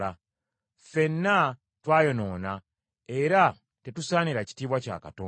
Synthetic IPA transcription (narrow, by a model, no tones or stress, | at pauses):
a | fe̞nːa | twaːjo̞no̞ːna | e̞ɾa | te̞tusaːniɾaci̥tiːβwaca̰ːka̰toː